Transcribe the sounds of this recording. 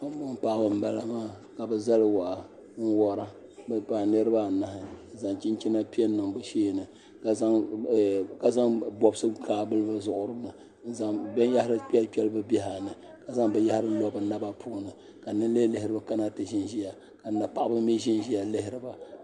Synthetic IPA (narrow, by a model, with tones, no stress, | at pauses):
ka˦m˦bʊ˦n˦pa˨ʔbɨ˨m̩˦ba˨la˦maː˦˨ | ka˨bɛ˨za˦lwa˨ʔ | n̩˦wɔ˦ɾa˦ | bpa˨nɨ˦ɾɨ˦ba˦˨na˨hɪ˨za˨ŋt͡ʃi˦n˦t͡ʃi˦na˦pi˦ɛ˦n˦nːɨ˨ŋbɨ˦ʃeː˦˨nɨ˨ | ka˨za˦ŋ˨ | ka˨za˦ŋbɔ˨bsɨ˦kʰaː˦bɨ˦lɨ˦ba˦zʊ˨ʔʊ˨ɾɨ˦m˦nɨ˨ | n̩˦za˦ŋbɛ˦n˦ja˦ha˦ɾɨ˦k͡pɛ˦k͡pʲɛ˦lɨ˦bɨ˦bɛ˦ɦa˨nɨ˨ | ka˨za˦ŋbɨ˦ja˦hɪ˦ɾɨ˦lɔ˦bɨ˨na˦ba˦pʰuː˦nɨ˨ | ka˨nɨ˦n˦le˦lɨ˦hɪ˦ɾɨ˦ba˦ka˦na˦tɨ˨ʒi˦nʒi˦ja˨ | ka˨na˨pa˨ʔbɨ˦mi˦ʒi˦nʒi˦ja˨lɨ˦hɪ˦ɾɨ˨ba˨